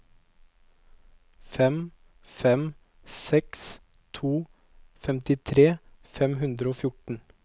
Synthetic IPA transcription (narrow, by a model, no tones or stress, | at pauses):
fɛm | fɛm | sɛks | t̪ʰuː | fɛmt̪ɪt̪ʰɾeːfɛmhʉnd̪ɾəoːfjʊʈɳ̩